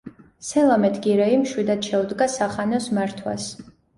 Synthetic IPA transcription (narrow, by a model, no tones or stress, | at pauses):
sɛlˠamɛt̪ʰɡiɾɛimʃwid̪ad̪̥ʃɛud̪ɡasaχanɔsmaɾt̪ʰwa̰s